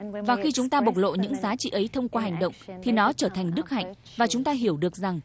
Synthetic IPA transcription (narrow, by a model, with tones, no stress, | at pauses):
vaː˨˩xi˧t͡ɕʊ˨˦ŋ͡mt̪aː˧ɓə˨˩k͡p̚lo̰˧˨ɲɨ̰˧˥ŋzaː˨˦t͡ɕḭ˧˨ʔə˨˦jt̪ʰə˧wŋ͡mkwaː˧ɦa˨˩jŋ̟ɗə̰˧˨wŋ͡mt̪ʰi˨˩nɔ˨˦t͡ɕəː˧˩t̪ʰa˨˩ŋ̟ɗɨ˦˥k̚ha̰˧˨jŋ̟ | vaː˨˩t͡ɕʊ˨˦ŋ͡mt̪aː˧ɦi˧˩əwɗɨ˨˩ək̚za˨˩ŋ